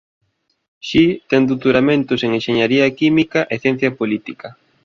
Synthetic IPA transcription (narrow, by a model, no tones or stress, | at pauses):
ʃit̪ɛnd̪ut̪uɾamẽnt̪ʊseŋenʃeɲaɾiɐkimikaʔeθjɛ̃n̟θjɐpolit̪ikɐ